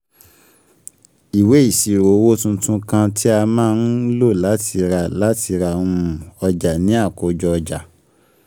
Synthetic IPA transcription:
i˨we˨˦i˦˨ʃi˨ɾo˨˦wo˦tũ˧tũ˧kã˧tʰi˦a˧mãː˦˧n̩˦lo˦˨la˨˦ti˧ɾa˧˨la˦tʰi˧ɾa˧˨ũ˧˦˧ũ˨ɔ˧d͡ʒa˨nĩ˨˦a˦˨ko˨d͡ʒɔ˧ɔ˧d͡ʒa˨

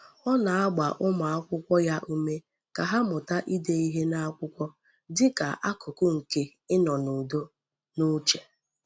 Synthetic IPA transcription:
ɔ˦na˨a˦ɡ͡ba˨ʔʊ˦ma˨a˦kʷʊ˦kʷɔ˦ja˦ʔu˦me˦ | ka˨ɦa˦mʊ˨ta˦ʔi˦de˦i˦ɦe˦na˦a˦kʷʊ˦kʷɔ˦ | dɪ˦ka̰˨ʔa˦kʰʊ˨kʊ˦ŋ̩˨ke˦ | ɪ˦nɔ˨nu˨do˦ | nu˦t͡ʃe˨

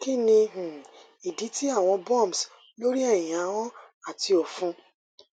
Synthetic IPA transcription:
ki˦nĩ˧h̩˨ | i˨di˨˦ti˦a˦˨w̃ɔ̃˧bɔ˦˨m˨s | lo˦ɾi˦ɛ˦˨j̃ĩ˨a˨˦wɔ̃˦ | a˦˨ti˧ɔ˨fũ˨˧

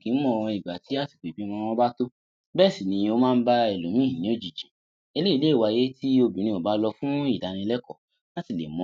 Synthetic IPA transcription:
kĩ˨˦mɔ̃˧i˨ɡ͡ba˨ti˨˦a˦˨ti̥˨k͡pe˨bi˦mɔ̃˧ɔ̃˧˦ba˦to˦ | bɛ˦˨si˨nĩ˧o˦mãː˦˧n̩˦ba˦ɛ˦˨lo˨˦mĩ˦˨nĩ˨˦o˦˨d͡ʒi˨d͡ʒe˨ | e˧le˦i˦˧le˦˨wa˧je˦ti˦o˧bi˨nĩ˧o˨ba˨˦lɔ˧fũ˦i˦˨da˨˧nĩ˧lɛ˦kɔ˦˨ | la˦ti˦˨lḛ˨mɔ̃˧˦

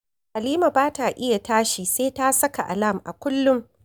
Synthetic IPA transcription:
ʔa˨liː˦ma˨baː˦ta˨ʔɪ˦ja˨taː˦ʃiː˨seː˦ta˦sɐ˦ka˨ʔa̰˨la˦˨mʔa̰˨kʷʊ˦lːʊ˦ŋ

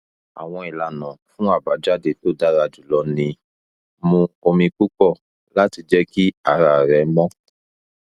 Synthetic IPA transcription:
a̰˨w̃ɔ̃˧i˨la˨nã˨fũ˦a˦˨ba˨˦d͡ʒa˦de˨to˦˨da˦ɾa˧d͡ʒu˨lɔ˧˦nĩ˧ | mũ˧o˧mĩ˧ku˦kɔ˦˨ | la˦ti˧d͡ʒɛ˦ki˦a˦˨ɾa˨ɾɛ˨˦mɔ̃˦

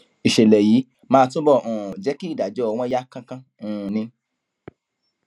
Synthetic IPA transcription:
i˨ʃe˨lɛ˨jiː˨˦ | mãː˦tũ˦bɔ˦˨ũ˨d͡ʒɛ˨˦ki˦˨da˨d͡ʒɔ˨˦ɔ˧w̃ɔ̃˧˦ja˦kã˧kã˦ | ũ˨˧nĩ˧

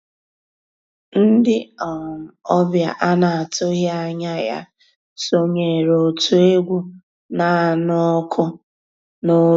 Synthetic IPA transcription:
n̩˦dɪ˦ɔ˨m̩˨ɔ˦bja˨ʔa˦na˨a˨to˦ɦa˦ɲa˦ja̰˦ | so˦ɲe˨ɾo˨tu˦e˦ɡʷu˦ | na˦˨nʊ˦kʰʊ˦ | no˦

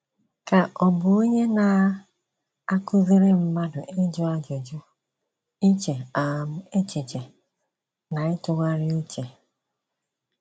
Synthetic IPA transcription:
ka˨ʔɔ˨bʊ˨o˦ɲe˦na˨ | a˦kʊ˦zi˦ɾe˦m̩˦ma˦dʊ˨ʔe˦d͡ʒʊ˦a˦d͡ʒɔ˨d͡ʒɔ˦ | i˦t͡ʃe˨a˨m̩˦e˦t͡ʃɪ˨t͡ʃe˨ | na˨ɪ˦tʊ˨ɡʷa˦ɾɪ˦u˦t͡ʃe˨

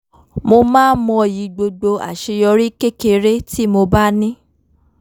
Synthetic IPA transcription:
mo˧mãː˦mɔ̃˧˨ji˨˧˦ɡ͡bo˧ɡ͡bo˧a̰˨ʃe˧jɔ˧ɾi˦ke˦ke˧ɾe˦ti˦mo˧ba˦nĩ˦

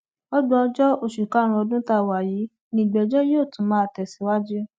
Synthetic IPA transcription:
ɔ˦dũ˦ɔ˧d͡ʒɔ˦o˦˨ʃu˨ka˨˦ɾ̃ũ˧ɔ˧dũ˦ta˦˨wa˨ji˨˦ | nĩ˦˨ɡ͡bɛ˨d͡ʒɔ˦jo˦˨tũ˨˦mãː˨˦˨tɛ˨si˨˦wa˦d͡ʒi˦

